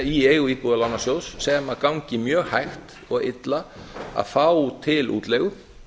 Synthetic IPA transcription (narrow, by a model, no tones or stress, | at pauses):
iejɣʏiːpuːðalawnasjoːwsːɛmaðkawɲcɪmjœːɣhajxt̪ | ɔɣɪ̰t̪laa̰ðfaːwt̪ʰɪlʔṵːt̪leɣʏ